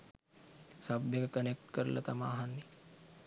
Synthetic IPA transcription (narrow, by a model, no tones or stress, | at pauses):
sɐbjəkekənek̚ʈkəɾlʔɐ̰t̪ɐmaːɦanːi